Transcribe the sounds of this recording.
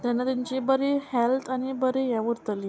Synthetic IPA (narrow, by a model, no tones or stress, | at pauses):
t̪janːat̪aɲt͡ɕibəɾehelt̪ʰañibəɾejaʋəɾt̪əli